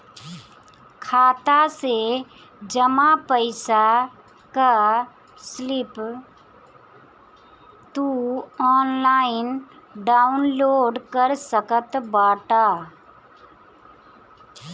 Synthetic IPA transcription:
kʰaːt̪ase | d͡ʒəmapəɪsa | ka | slɪp | t̪uɔːnlaːɪnɖaːʊnloːɖkəɾsəkət̪baːʈaː

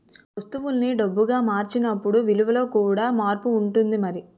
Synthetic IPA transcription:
ʋɐst̪uʋulniɖɐbːuɡaːmaːɾt͡ʃinɐpːuɽuʋiluʋɐlo̞ːkuːɽaːmaːɾpuːɳʈund̪imɐɾi

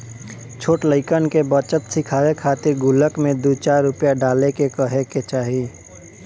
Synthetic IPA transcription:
t͡ʃʰoːʈləɪkənkebət͡ʃəp̪sɪkʰaːwekʰaːt̪ɪɾɡʊləkmẽd̪ut͡ʃaːɾːʊpjaɖaːlekekəɦeket͡ʃaːɦi

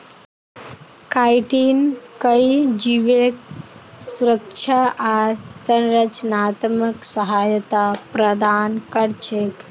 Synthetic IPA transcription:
kajʈinkəid͡ʒiʋek | suɾəkt͡ʃʰaʔaɾsənɾət͡ʃənaːt̪məksəɦajət̪apɾəd̪aːnkəɾt͡ʃʰek

